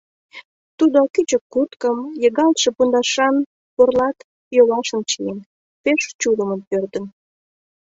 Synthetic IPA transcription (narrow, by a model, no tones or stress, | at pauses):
t̪ud̪okyt͡ɕəkːut̪kəmjeɣɑlt̪ʃepund̪ɑʃɑn | porlɑt̪ | joβɑʃə̆mt͡ɕijen | peʃt͡ɕuləmənpørt̪ən